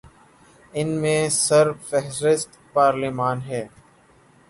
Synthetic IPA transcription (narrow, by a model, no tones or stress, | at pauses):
ɪnmẽːsəɾfɛɦɾɪst̪paːɾlimaːnɦɛː